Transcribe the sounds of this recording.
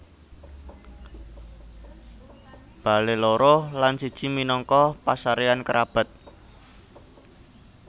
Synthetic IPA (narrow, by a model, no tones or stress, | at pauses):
b̥a̤leloɾohlansid̥ʒ̥i̤minɔŋkɔpasaɾeankəɾʔab̥ə̤t̪̚